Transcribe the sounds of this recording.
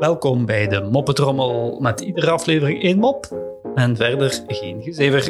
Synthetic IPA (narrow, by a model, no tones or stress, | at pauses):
ʋɛlˠkɔmbɛjdəmɔpətrɔməlˠmɛtidərəɑfleːvərɪŋenmɔpɛnvɛrdərɣeːnɣəzeːvər